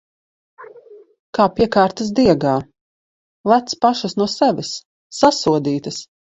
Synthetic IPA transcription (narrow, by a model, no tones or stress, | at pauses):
kaːpiɛkaːɾt̪ɐs̬d̪iɛɡaː | lˠæt̪spaʃɐsnuɔsɛʋʲɪsː | asuɔd̪iːt̪ɐs